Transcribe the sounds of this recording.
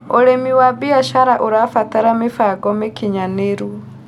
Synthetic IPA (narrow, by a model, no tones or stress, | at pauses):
oɾemiwabiaʃaɾaʔuɾafataɾamefaɡɔmekiɲaneɾu